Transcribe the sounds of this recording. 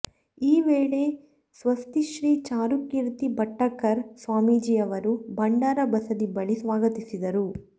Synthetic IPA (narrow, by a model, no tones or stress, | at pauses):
iːʋeːɭe̞ | sʋɐst̪iʃɾiːt͡ʃaːɾukːiɾt̪ibɐʈːɐkːɐɾsʋaːmiːd͡ʒijɐʋɐɾubɐɳɖaːɾɐbɐsɐd̪ibɐɭisʋaːɡɐt̪isid̪ɐɾu